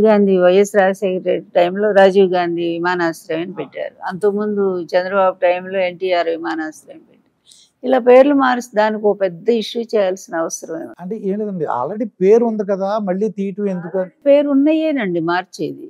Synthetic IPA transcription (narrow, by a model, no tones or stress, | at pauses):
ɡaːnd̪ʱiʋɐjːɐsɾaːd͡ʒɐsekɾeʈɾḛʈ̚ʈɐjmlo̞ːɾaːd͡ʒiːʋɡaːnd̪ʱiʋimaːnaːsɾɐʋɐnipɛʈːa̰ːɾuɐnt̪omund̪ut͡ʃɛnd̪ɾɐbaːbuʈɐjmlo̞ːe̞ɳʈiːaːɾʋimaːnaːsɾɐʋenipeʈːi | ilaːpe̞ːɾlumaːɾsd̪aːnikiopɛd̪ːɐiʂːut͡ʃɛːjaːlsinɐɐʋɐsɐɾɐmɐ̰jnɐɐɳʈeːeːɳʈid̪ɐɳɖia̰ːlɾeɽiːpeːɾund̪ikɐd̪aːmɐɭːiːt̪iːʈuend̪ukɐpe̞ːɾunːɐjeːnɐɳɖimaːɾt͡ʃḛːd̪i